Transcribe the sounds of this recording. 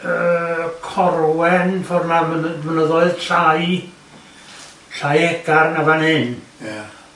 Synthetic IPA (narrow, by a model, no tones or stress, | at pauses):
əkʰɔrwɛnvɔrnamənəmənəðɔɨð̥ɬaj | ɬajɛɡ̥arnavanɪn